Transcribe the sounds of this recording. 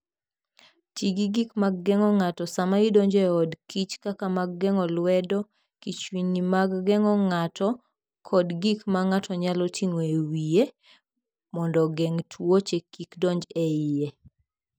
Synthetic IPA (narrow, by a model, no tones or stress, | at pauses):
tiɡiɡikmaɡːɛŋɔŋatɔsamaidɔɲd͡ʒɛɔdkit͡ʃkakamaɡːɛŋɔlwɛdɔ | kit͡ʃwinimaɡːɛŋɔŋatɔ | kʰɔdɡikmaŋatʰɔɲalɔtʰiŋoewije | mɔndɔɡɛŋtʰwot͡ʃekikdɔɲd͡ʒɛɪje